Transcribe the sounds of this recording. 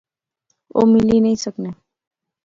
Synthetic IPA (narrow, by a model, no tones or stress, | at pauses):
o̰milinəɦisəkne